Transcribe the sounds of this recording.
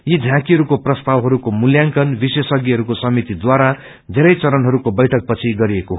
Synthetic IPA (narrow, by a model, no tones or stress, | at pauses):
jid͡zʱãkiɦʌɾukoprʌst̪awɦʌɾukomuljaŋkʌnbisesʌɡiɦʌɾukosʌmit̪id̪waɾa | d̪ʱeɾʌjt͡sʌɾʌnɦʌɾukobʌjʈʰʌk̚pʌt͡sʰiɡʌɾiekoɦ